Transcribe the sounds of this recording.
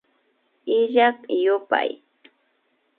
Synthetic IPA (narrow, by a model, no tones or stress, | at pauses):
ɪʎakjʊpa̰j